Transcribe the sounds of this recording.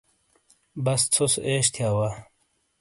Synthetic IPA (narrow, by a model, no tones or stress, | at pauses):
bɐst͡sʰosʔeːɕt̪ʰjaːwa